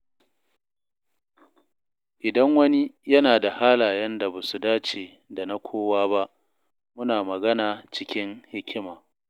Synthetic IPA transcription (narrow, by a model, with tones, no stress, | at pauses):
ʔɪ˨dɐ˦ŋwɐ˦ni˦jɐ˦naː˨da˨haː˦laː˨jɐ˦nda˨baː˨su˨daː˦t͡ʃeː˨ | da˨na˦kʷʰoː˦waː˦ba˦ʔ | mʊ˦naː˨mɐ˨ɡɐ˦naː˨t͡ʃɪ˦kʲɪ˦ŋhɪ˦kʲʰɪ˦maː˨